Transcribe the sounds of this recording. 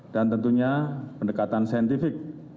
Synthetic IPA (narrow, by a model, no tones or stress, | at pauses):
d̥ant̪ənt̪uɲapəndəkat̪ansaənt̪ifɪk̚